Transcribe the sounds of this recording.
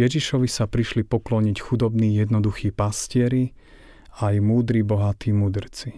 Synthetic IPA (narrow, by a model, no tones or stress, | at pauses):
ɛʒiʃɔʋisapɾiʃlipɔklɔɲicxud̪ɔbniːjɛd̪nɔd̪uxiːpascɪɛɾi | ajmuːd̪ɾibɔɦat̪iːmuːd̪r̩t͡si